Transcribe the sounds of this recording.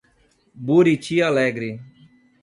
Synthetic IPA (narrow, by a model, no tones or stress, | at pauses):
buːɾiːt͡ʃʰijaːleːɡɾiː